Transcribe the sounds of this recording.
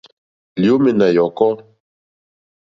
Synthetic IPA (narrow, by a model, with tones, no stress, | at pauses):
ljo˦me˨na˨jɔ˨kɔ˦